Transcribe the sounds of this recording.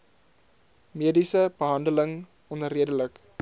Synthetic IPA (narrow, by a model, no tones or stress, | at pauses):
meːdisəb̥əɦɐndələŋ | ɔnəɾiədələk